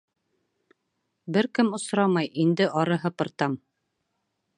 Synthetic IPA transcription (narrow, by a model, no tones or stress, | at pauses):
bɘɾkɘmŏsɾɑmɑjind̪ɘʔɑɾɤɦɤpɤ̆ɾt̪ɑm